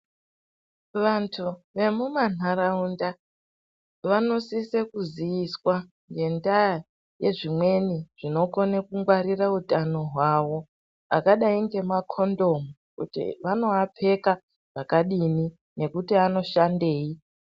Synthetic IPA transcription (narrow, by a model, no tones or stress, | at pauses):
ʋantʰuʋe̞muman̤aɾaunda | ʋano̞sisekuzijiswa | ŋɡe̞ndaja | je̞ʐimwe̞niʐ̥ino̞ko̞nekuŋɡwaɾirautano̞ɦwawo̞ | a̰kaɗaiŋɡe̞makʰo̞ndo̞mu | kṵtḭʋano̞apʰe̞ka | ʐ̥akaɗini | ne̞kutiano̞ʃande̞ːi